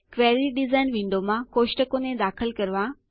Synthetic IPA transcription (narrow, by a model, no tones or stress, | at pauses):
kʋeːɾiɖɪzaːnʋĩːnd̪omãkoːʃʈəkoːnẽd̪aːxəlkɐɾʋã